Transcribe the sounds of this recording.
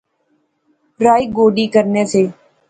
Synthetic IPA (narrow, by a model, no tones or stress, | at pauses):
pɾaːiːɡoːɖiːkəɾneːseː